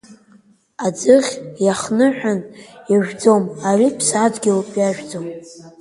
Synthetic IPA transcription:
ad͡zɨʁʲjaχnɨħʷᶣanjaʒᶣd͡zomaripʰsad͡zɡʲɪlpʰjaʒᶣd͡zom

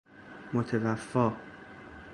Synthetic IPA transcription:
mot̪ʰevæfːɒː

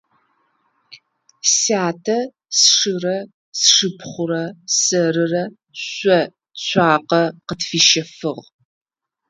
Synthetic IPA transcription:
saːtʰɐ | sʂɨrɐ | sʂɨpʰχʷʊɾɐsɐɾɨrɐ | ɕʷɔ | ɕʷaːqɐqətfiːʃɐfɨʁ

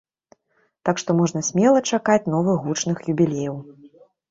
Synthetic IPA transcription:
t̪akʂt̪ɔmɔʐnɐsʲmʲɛlˠɐt͡ʂakat͡sʲn̪ɔvɨɣut͡ʂnɨxjubʲilʲejɐw

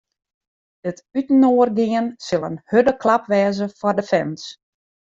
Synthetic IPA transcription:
dətytənoːərɡiənsɪlˠə̰nhødəklapʋɛːzəfɔrdəfɛns

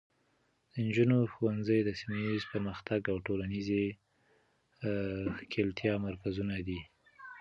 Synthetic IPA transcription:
d̪̥ənd͡ʒunoxowanzəjd̪əsimajizpəɾməxt̪aɡawʈolanize | kʰelt̪jɑmaɾkazunad̪i

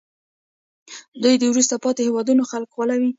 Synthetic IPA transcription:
d̪ujd̪ewɾust̪apɑt̪ehewɑd̪unoxalkwalawi

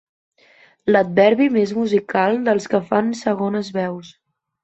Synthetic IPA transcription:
ləd̪̚bɛɾβimezmuzikalˠd̪əlˠskəfansəɣonəzβɛws

